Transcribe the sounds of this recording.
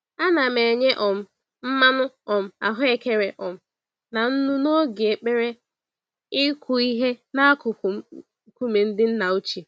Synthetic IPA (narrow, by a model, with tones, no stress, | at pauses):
a˦na˨me˨ɲe˦ʔɔ˨m̩˦ | m̩˦ma˦nʊ˦ɔ˨m̩˦a̰˨ɦʊ˦e˨ke˦ɾe˨ʔɔ˨m̩˦ | na˨n̩˦nu˦no˦ɡi˨e˨k͡pe˦ɾe˦ | ɪ˦kʰʷʊ˨i˦ɦe˦na˦kʊ˨ | ku˦me˨n̩˦dɪ˦n̩˦na˨o˦t͡ʃi˨